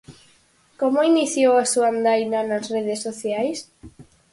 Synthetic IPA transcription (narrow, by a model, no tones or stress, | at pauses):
komoiniθjowasuand̪ajnanasreðesːoθjajs